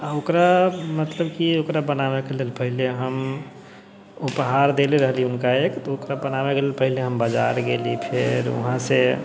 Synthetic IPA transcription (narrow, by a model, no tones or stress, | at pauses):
aokɾamət̪ləbkiokɾabənawekelelpəɦileɦəm | upɦaɾd̪eleɾəɦliiʊnkaekt̪ɔokɾabənaweɡelelpəɦileɦəmbəd͡ʒa̰ɾɡelipʰɪɾʊ̰ɦãse